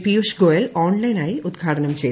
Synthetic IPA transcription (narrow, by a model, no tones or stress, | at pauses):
piuʃɡojelɔːnlɐjnajud̪ɡʱaːʈɐnɐmt͡ɕe